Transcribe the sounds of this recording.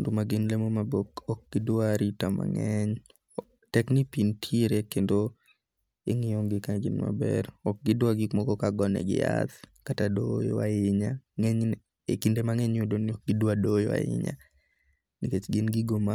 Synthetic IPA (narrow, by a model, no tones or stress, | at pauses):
ndomaɡɪnlemomabokɔk̚ɡ̥ɪdwaɾitama̰ŋɛɲ | tɛknipintʰiɾekendo | ḛŋɪjoŋɡɪkaɡɪnma̰bɛ̰ɾɔk̚ɡɪdwaɡɪkmɔɡɔkaɡɔnɛ̰ɡɪ̰ja̰t̪katadojwaɪɲaŋɛɲ | ekindemaŋɛɲodoniɔk̚ɡɪdwadojwa̰ɪ̰ɲa̰ | niket͡ʃɡɪnɡɪɡoma